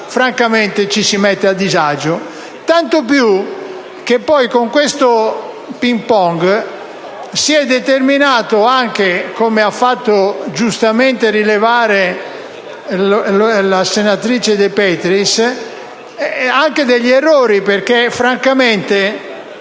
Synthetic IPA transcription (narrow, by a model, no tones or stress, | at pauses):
fɾaŋkament̪et͡ʃisimɛt̪ːead̪ːizad͡ʒo | t̪ant̪op̬ju | k̟epːɔjkoŋkwest̪o | pimpɔŋɡ | siɛd̪ːet̪erminaːt̪oaŋkekomeafːat̪ːod͡ʒust̪ament̪eɾilevaːɾe | lasenat̪ɾiːt͡ʃed̪epɛt̪ɾis | aŋked̪eʎːɛrːoːɾiperk̟efɾaŋkament̪e